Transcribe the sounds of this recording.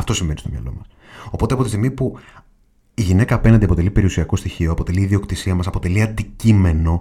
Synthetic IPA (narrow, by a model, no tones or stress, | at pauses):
ɐft̪osimve̞nist̪o̞mɲɐ̰lo̞̰mɐs | o̞po̞t̪eɐpo̞t̪ist̪ɣmipu | iʝine̞kɐːpe̞nɐnd̪iɐpo̞t̪e̞lipe̞ɾiusiɐko̞st̪içio̞ɐpo̞t̪e̞liːðio̞kt̪isiɐmɐsɐpo̞t̪e̞liɐnd̪icime̞no̞